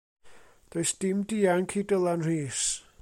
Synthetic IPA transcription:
d̥oɨsd̥ɪmdiːaŋkʰiːdəlˠanr̥iːs

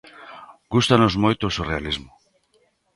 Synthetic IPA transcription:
ɡust̪anozmojt̪osurealizmo

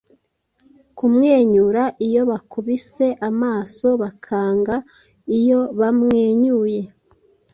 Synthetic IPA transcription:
kumŋe̞ːɲuɾaʔijo̞βakʰuβise̞ʔamaːso̞βakʰaːŋɡa | ijo̞βamŋe̞ːɲuːje̞

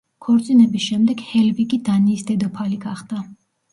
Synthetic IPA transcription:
kʰɔɾt̪sʼinɛbisʃɛmd̪ɛɡ̥hɛlbikʼid̪aniːsd̪ɛd̪ɔpʰaliɡaχd̪a

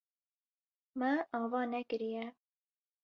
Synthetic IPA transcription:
mɛʔɑːvɑːnɛkɨɾijɛ

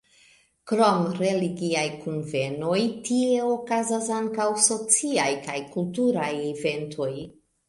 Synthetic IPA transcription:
kɾo̞mɾe̞liɡiajkunve̞no̞jtie̞o̞kazasaŋkawso̞t͡siajkajkultuɾajeve̞ntʰo̞j

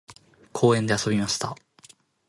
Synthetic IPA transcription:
kʰo̞ːẽ̞nd̪e̞aso̞bʲimaɕi̥t̪a

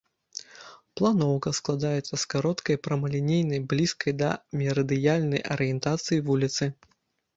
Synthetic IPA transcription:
plˠanɔwkɐsklˠad̪ajɛt̪sːɐskaɾɔt̪kɐjpɾɐmɐlʲinʲejnɐjblʲiskɐjd̪ɐ̰mʲɛɾɐd̪ɨjalʲnɐjʔɐ̰ɾɨjɛnt̪at̪sɨjivulʲit̪sɨ

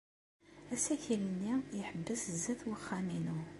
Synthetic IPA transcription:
æsæçilənːiəħəbːəsəzːəθwəχːæminu

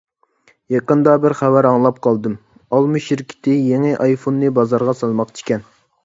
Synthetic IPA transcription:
jɑqənd̪ɑbɪɾχæwæɾɑŋlˠɑp̚qʰɑlˠd̪ɨm | ɑlˠmɨʃiɾkʲʰɪ̥t̪ʰɪjeŋɪʔɑjfonːɨbɑzɑɾʁɑsɑlˠmɑqt͡ʃʰi̥kʲɛn

